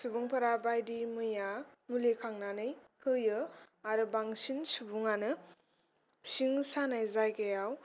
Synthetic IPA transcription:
subuŋpʰaɾabajdimɯjamulekʰaŋnanɯjkʰɯjɯaɾɯbaŋsinsubuŋanɯ | siŋsanajzajkajaw

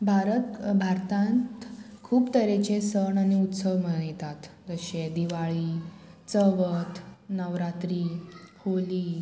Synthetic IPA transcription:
bʱaɾət̪bʱaɾt̪ãnt̪kʰuːpt̪əɾet͡ɕesəɳaniut̪səʋməjt̪at̪d͡zəɕed̪iʋaɭiːt͡səʋət̪nəʋɾat̪ɾiːholiː

